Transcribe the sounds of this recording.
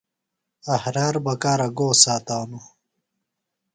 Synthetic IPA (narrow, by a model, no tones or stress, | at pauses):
ɐhɾaːɾbɐkaːɾɐɡoːsaːt̪aːnu